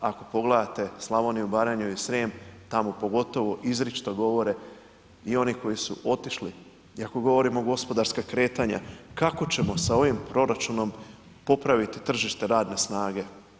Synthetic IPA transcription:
ako̞po̞ɡled̪at̪e̞slˠaʋo̞niubaɾaɲuisɾeːmt̪amo̞po̞ɡo̞t̪o̞ʋo̞ʔizɾit͡ʃt̪oɡo̞ʋo̞ɾe̞ | io̞niko̞jisuʔo̞t̪iʃli | iakoɡo̞ʋo̞ɾimo̞ɡo̞spo̞d̪aɾskakɾe̞ːt̪aɲa̰kako̞t͡ɕe̞mo̞sao̞ʋimpɾo̞ɾat͡ʃuno̞m | po̞pɾaʋit̪it̪r̩ʒiʃt̪e̞ɾaːd̪ne̞snaːɡe̞

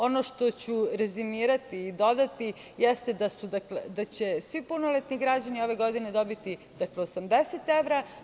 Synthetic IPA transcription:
o̞no̞ʃt̪o̞t͡ɕuɾezimiːɾat̪iːd̪o̞d̪at̪i | jest̪ed̪asud̪akled̪at͡ɕe̞sʋipunolet̪niɡɾad͡ʑanio̞ʋe̞ɡo̞d̪ine̞d̪o̞bit̪i | d̪akleosamd̪eset̪eʋɾa

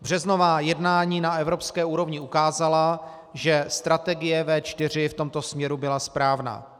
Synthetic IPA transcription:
br̝̥ɛzno̞vaːjɛdnaːɲiːnaɛvɾo̞pskɛːuːɾo̞vɲɪukaːzala | ʒɛst̪ɾat̪ɛɡɪjɛvɛːt͡ʃt̪ɪr̝ɪft̪o̞mt̪o̞smɲɛɾubɪlaspɾaːvna̰ː

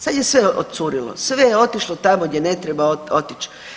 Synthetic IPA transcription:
sad̪je̞sʋeʔot̪t̪suɾilo̰sʋejeo̞t̪iʃlot̪amoɡdjene̞t̪ɾebaoot̪it͡ʃ

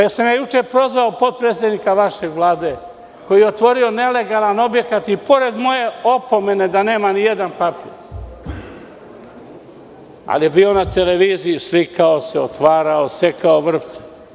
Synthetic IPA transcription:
jesemjejut͡ʃepɾo̞zʋaopo̞d̪̚pɾe̞ːt̪sed̪nikaʋaʃe̞ɡʋlˠaːd̪e̞ː | ko̞jijeot̪ʋo̞ɾio̞ne̞le̞ɡalˠano̞bje̞kat̪ipo̞ɾe̞d̪mo̞je̞o̞po̞me̞ne̞d̪ane̞ːmanijed̪anpapiːɾ | a̰lijebiːo̞nat̪e̞le̞ʋiːzijislikaoseot̪ʋaːɾaose̞kaoʋr̩p̪se̥

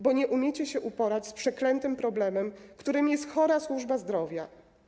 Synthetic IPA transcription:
bɔɲɛʔumʲjɛt͡ɕɛɕɛʔupɔɾat͡ɕspʂɛklɛnt̪ɘmpɾɔblɛmɛmkt̪uɾɘmʲijɛst̪xɔɾaswuʐbazd̪ɾɔvʲja

